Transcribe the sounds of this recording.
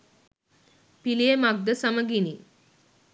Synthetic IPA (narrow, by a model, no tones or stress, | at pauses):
pilijemaɡ̚d̪əsaməɡini